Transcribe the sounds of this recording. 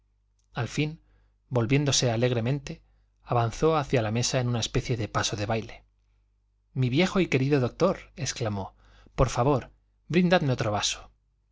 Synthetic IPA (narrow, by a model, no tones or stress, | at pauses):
alfin | bo̞lβje̞nd̪o̞se̞ale̞ɣɾe̞mẽ̞nt̪e̞ | aβanθo̞aθjalame̞saenunae̞spe̞θje̞ðe̞pasoðe̞βajle̞ | miβje̞xoike̞ɾiðo̞ðo̞k̚t̪o̞ɾe̞sklamo̞ | po̞ɾfaβo̞ɾ | bɾind̪aðmeo̞t̪ɾoβaso̥